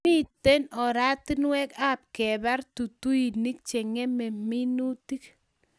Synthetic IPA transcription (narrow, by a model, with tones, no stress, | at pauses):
i˦te˦nɔ˨ɾa˦ti˦nwɛ˦ka˦p̚kɛ˨ba˦rtu˨tu˦i˨ni˦k̚t͡ʃe˨ŋe˦mɛ˨mi˦nu˦ti˦k̚